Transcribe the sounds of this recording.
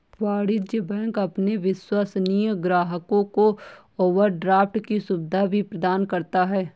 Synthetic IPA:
ʋaːɽɪd͡ʒjəbɛ̃ːŋkɐpneʋɪswaːsnijəɡɾaːɦəkõko | oːʋəɾɖɾaːfʰʈkisubɪd̪ʱabʱipɾɐd̪aːnkɐɾt̪aɦɛː

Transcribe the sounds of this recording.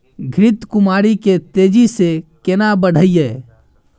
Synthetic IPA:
ɡʱɾɪt̪kʊmaːɾiket̪eːd͡ʒisekenabəɽ̤ʱəijɛː

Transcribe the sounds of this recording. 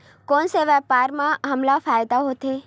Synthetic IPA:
koːnseʋɛpaːɾmãɦəmlafaːjd̪aɦoːt̪eː

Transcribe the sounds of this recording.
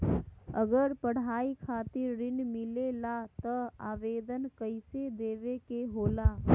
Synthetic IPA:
əɡəɾpəɽ̤aːikʰaːt̪ɪɾːɪnmɪlelat̪əaːʋeːd̪ənkəɪsed̪eːʋekeɦoːlaː

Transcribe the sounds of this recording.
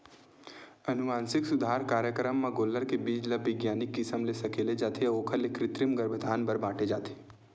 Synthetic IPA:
ɐnʊʋaːnsɪksʊd̪ʱaːɾkaːɾjəkɾəmːãɡoːlːəɾkebiːt͡ʃlɐbɪɡjaːnɪkːɪsəmlesɐkeːled͡ʒaːt̪ʰeoːkʰəlekɾɪt̪ɾɪmɡəɾbʱəd̪ʱaːnbɐɾbãːʈʰed͡ʒaːt̪ʰe̥ː

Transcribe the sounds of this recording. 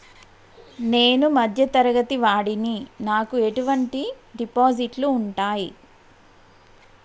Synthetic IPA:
ne̞ːnumɐd̪ʱjɐt̪ɐɾɐɡɐt̪iʋaːɽininaːkue̞ʈuʋɐɳʈi | ɖipoːd͡ʒiʈluːɳʈaːji

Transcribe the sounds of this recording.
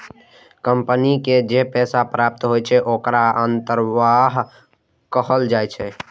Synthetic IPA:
kəmpəniked͡ʒepɛsapɾap̚t̪ɦojt͡ʃʰɛʔokɾaənt̪əɾʋaɦ | kəɦəld͡ʒajt͡ʃʰɛ

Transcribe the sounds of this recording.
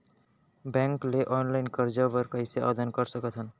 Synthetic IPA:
bɛ̃ŋkleʔɔnlaɪnkəɾd͡ʒabəɾkəjseʔɔ̰d̪ənkəɾsəkət̪ʰən

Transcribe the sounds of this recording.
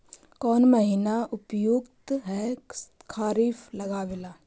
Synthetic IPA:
kɔːnməɦiːnaʔʊpjʊɡt̪ɦɛkʰaːɾiːflɐɡaːʋelaː

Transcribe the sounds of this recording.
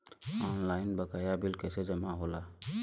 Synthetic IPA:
ɔnlaːɪnbəkajabilkɛsed͡ʒəmaɦola

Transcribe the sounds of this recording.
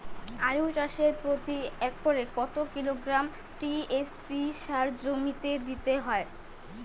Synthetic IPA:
aɾut͡ɕaʃeɾpɾot̪iɛk̚poɾekɔt̪okiloɡɾam | ʈiespiʃaɾd͡ʑomit̪ed̪it̪eɦɔe

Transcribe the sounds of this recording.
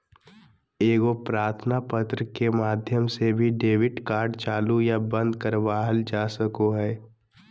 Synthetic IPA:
eːɡopɾaːɾt̪ʰnapət̪ɾəkemaːd̪ʱjəmsebʱiɖeːʋɪʈkaːɾɖt͡ʃaːlujabə̃nd̪kəɾʋaːɦəld͡ʒaːsəkoɦɛː

